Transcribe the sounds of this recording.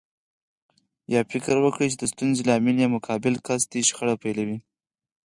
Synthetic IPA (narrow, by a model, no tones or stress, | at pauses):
jɑfɪkɾwəkɽit͡ʃed̪əst̪unzelaaminjɑmʊkʰɑbɪlkasd̪iʃxəɽapajlawi